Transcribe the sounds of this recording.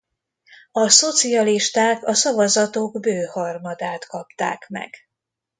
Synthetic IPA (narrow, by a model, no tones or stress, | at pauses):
ɒso̞t̪siɒliʃt̪aːkɒsɒvɒzɒt̪oɡbøːhɒrmɒd̪aːt̪kɒpt̪a̰ːkmɛ̰ɡ̥